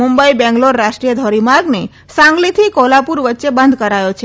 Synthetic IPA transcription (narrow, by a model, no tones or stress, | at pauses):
mumbəibɛ̃ŋɡloɾːaʃʈɾijəd̪ʱɔɾimaɾɡne | sãŋɡlit̪ʰikɔlapuɾʋət̪ːʃebənd̪ʱkəɾajot͡ʃʰe